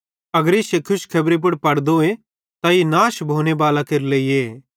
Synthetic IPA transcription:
ɐɡəɾɪsekʰʊʃkʰɐbɾip̬ʊɽpɐɽd̪oe | t̪ainaːʃbʱoːnebaːlakeɾleːieː

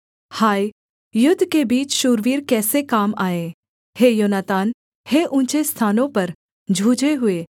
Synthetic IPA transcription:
haːi | jʊd̪ʱːkebiːt͡ʃʃuːɾʋiːɾkɛːsekaːmaːẽ | heːjoːnat̪aːn | heːʔʊ̃nt͡ʃest̪ʰaːnõpɐɾ | d͡ʒʱuːd͡ʒeɦʊeː

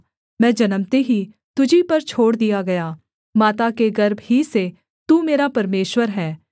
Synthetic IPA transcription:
mɛ̃ːd͡ʒɐnəmt̪eɦi | t̪ʊd͡ʒʱipɐɾt͡ʃʰoːɽd̪ijaɡɐjaː | maːt̪akeɡɐɾbɦise | t̪uːmeːɾapɐɾmeːʃwəɾɦɛː

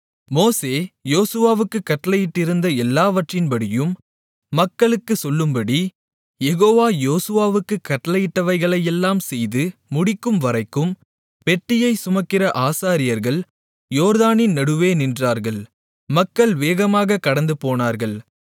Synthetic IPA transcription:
moːseːjoːsɯʋaːʋɯkːɯkːɐʈːɐlɐjɪʈːɪɾɯnd̪ɐɛlːaːʋɐʈrɪnbɐɽɪjɯmː | ɐkːɐɭɯkːɯsɔlːɯmbɐɽi | jɛɣoːʋaːjoːsɯʋaːʋɯkːɯkːɐʈːɐlɐjɪʈːɐʋɐɪɣɐɭɐjɛlːaːmsɛjðɯmʊɽɪkːɯmʋɐɾɐɪkːɯm | pɛʈːɪjɐɪsʊmɐkːɪrɐʔaːsaːɾɪjɐɾɣɐɭ | joːɾðaːnɪnnɐɽɯʋeːnɪndraːɾɣɐɭ | mɐkːɐɭʋeːɣɐmaːɣɐkːɐɽɐnd̪ɯpoːnaːɾɣɐɭ

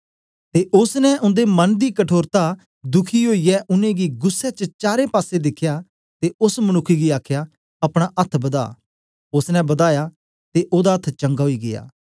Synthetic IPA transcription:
t̪eʔʊsnɛʔʊ̃nd̪emɐnd̪ikɐʈʰoːɾt̪a | d̪ʊkʰiɦoːijɛʔʊnẽɡiɡʊsːɛt͡ʃət͡ʃaːɾepaːsed̪ɪkʰːja | t̪eʊsmɐnʊkʰːiɡiaːkʰja | ɐpɽ̃aʔɐt̪ʰbɐd̪a̰ː | ʊsnɛ̃bɐd̪aːja | t̪eʔoːd̪aɐt̪ʰt͡ʃɐ̃ŋɡaɦoiɡɪ̰ja̰ː

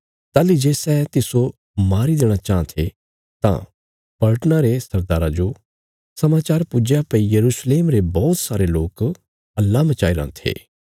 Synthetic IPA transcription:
t̪aːlid͡ʒeːsɛt̪ɪso | maːɾid̪eːɽ̃at͡ʃãːt̪ʰe | t̪ã̰ | pɐlʈnãɾesɐɾd̪aːɾãd͡ʒo | sɐmaːt͡ʃaːɾpud͡ʒapɐijɐɾuːsleːmɾebɔːt̪saːɾeloːk | ɐlːamɐt͡ʃaːiɾã̰ːnt̪ʰḛː

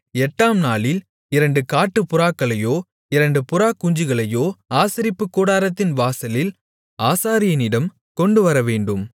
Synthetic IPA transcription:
ɛʈːaːmnaːɭɪl | ɪɾɐɳɖɯkaːʈːɯpʊɾaːkːɐɭɐjoː | ɪɾɐɳɖɯpʊɾaːkːʊɲd͡ʒɪɣɐɭɐjoːaːsɪɾɪpːɯkːuːɽaːɾɐt̪ːɪnʋaːsɐlɪl | aːsaːɾɪjɐnɪɽɐm | kɔɳɖɯʋɐɾɐʋeːɳɖɯm

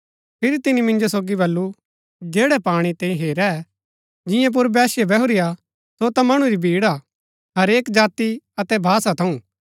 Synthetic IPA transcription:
pʰɪɾit̪ɪnimɪ̃nd͡ʒosoːɡibɐlːu | d͡ʒeːɽɛpaːɽ̃it̪ẽːĩɦeːɾɛ | d͡ʒɪ̃jãp̬ʊɾbɛːsjebɛɦʊɾɪja | sot̪ɐamɐɽ̃uɾibʱiːɽa | ɦɐɾeːkd͡ʒaːt̪i | ɐt̪ɛbʱaːsat̪ʰɐũ

